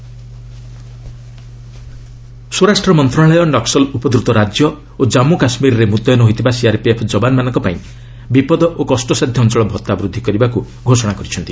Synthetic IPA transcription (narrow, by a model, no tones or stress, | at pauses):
soɾasʈɾɔmɔnt̪ɾaɭɔjɔɖɔksɔlupɔd̪ɾut̪ɔɾad͡ʒjɔ | od͡ʒamukasmiɾɔɾemud̪ɔjɔnɔɦot̪ʰibasiaɾpiepʰd͡ʒɔbanmanɔŋkɔpaĩ | bipɔd̪ɔʔokɔsʈɔsad̪ʱjɔːnt͡ʃɔɭɔbʱɔt̪ːabɾud̪ʱːikɔɾibaku | ɡʱosɔɽ̃akɔɾit͡ʃʰɔnt̪i